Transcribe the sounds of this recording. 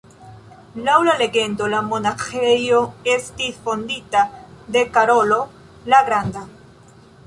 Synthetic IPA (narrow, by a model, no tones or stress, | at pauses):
lawlaleɣend̪olamonaxejoest̪ifond̪it̪aðekaɾolo | laɣɾand̪a